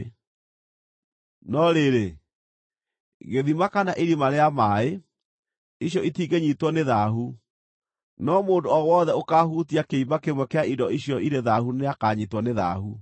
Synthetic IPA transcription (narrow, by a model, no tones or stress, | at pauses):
nɔɾeɾe | ɣeðimakanaʔiɾimaɾeamaːe | iɕjɔitiɡeɲitwɔneðaɦu | nɔmoːndoɔwɔːðɛokaːɦutiakeimakemwɛkeaidɔiɕjɔiɾeðahuneakaɲitwɔneða̰hu